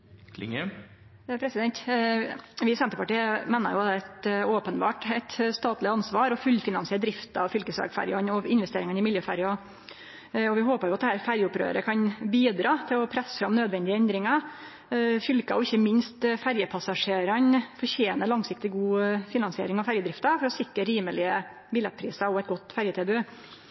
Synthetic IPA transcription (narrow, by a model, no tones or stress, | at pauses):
l̰ŋ | pʰɾɛsɪd̪ɛnt̪ | ʋɪsɛnt̪əpʰɑʈiːmeːnə̰ɾjʊɑt̪ɛɛt̪oːpənbɑ̰ːʈɛɪt̪st̪ɑːt̪lɪɑnsʋɑːɾɔfʉlːfɪnɑnsɪəːd̪ɾɪft̪ɑɑʋfʏlkəsʋæ̰ɡfæ̰ɾjɑnɔɪnʋɛst̪eːɾɪŋənɪmɪljøːfæɾjɑ | ɔʋɪɦoːpəɾjʊɑt̪d̪ɛhæːɾfæɾjəʊpɾø̰ːɾə̰kʰɑnbiːd̪ɾɑːt̪ʰɪlɔpʰɾɛsːə̥fɾɑmnøːd̪ʋɛnd̪ɪəɛnd̪ɾɪŋɑ | fʏlkə̰ɔɪçːəmɪnst̪fæɾjəpʰɑsɑʂeːɾɑnfɔɾçeːnəlɑŋsɪk̚t̪ɪɡuːfɪnɑnsɪḛːɾɪŋɑʋfæɾjəd̪ɾɪft̪ɑfɔɾɔsɪkɾəɾiːməlɪə | bɪlːɛt̪̚pʰɾiːsɑɾɔɛt̪̚ɡɔt̪ːfæɾjət̪ʰeːbʉ